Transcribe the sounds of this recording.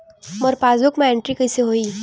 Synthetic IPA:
mɔɾpaːzʊkmẽẽɳʈɾikɐseɦoːiː

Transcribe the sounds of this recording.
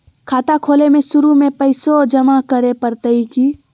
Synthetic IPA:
kʰaːt̪akʰoːlemẽsʊɾumẽpɐɪsod͡ʒɐmakəɾepəɾt̪əikiː

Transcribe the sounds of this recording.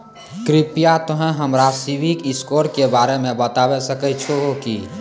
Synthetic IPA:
kɾɪpijat̪oɦɛ̃ɦəmɾasiwikɪskoːɾkebaːɾemẽbət̪awesəkət͡ʃʰoɦoki

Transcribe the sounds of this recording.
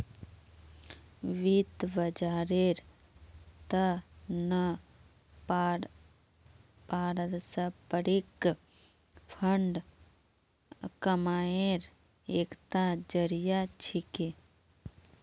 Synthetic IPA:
ʋit̪bəd͡ʒaːɾeɾ | t̪ənɐ | paːɾəd̪səpəɾik | pʰəɳɖ | kəmaːeɾ | eːkt̪ad͡ʒəɾijat͡ʃʰike

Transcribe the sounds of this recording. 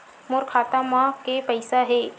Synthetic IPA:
mʊɾkʰaːt̪amãkepəɪsaɦeː

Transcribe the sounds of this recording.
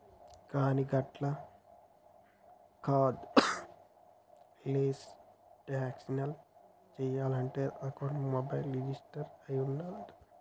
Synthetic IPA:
kaːniɡɐʈlɐ | kʰaːd̪ | leːsʈeaːksinɐl | t͡ʃejaːlɦɐɳʈeːɾɐkoːɖumoːbɐjlɾid͡ʒisʈɐɾɐjunːald̪

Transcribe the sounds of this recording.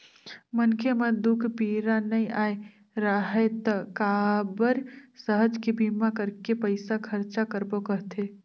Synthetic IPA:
mənkʰemed̪ukʰpiɾanəĩae | ɾaɦɛt̪əkabəɾsəɦəd͡ʒkebʱimakəɾkepəɪsakʰəɾt͡ʃakəɾbokəɦt̪ʰe

